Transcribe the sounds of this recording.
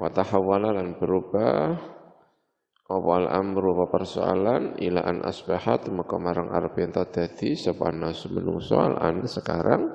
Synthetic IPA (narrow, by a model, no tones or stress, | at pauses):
kat̪ahawalalanb̥əɾub̥ah | ɔpɔalʔanməɾubapərsoa̰lanilaʔanʔa̰sbahat̪məkɔmaɾaŋʔa̰ɾapiant̪ad̪̥ad̪̥isəpanasmənṵŋsɔ̰a̰lʔa̰nsəkaɾaŋ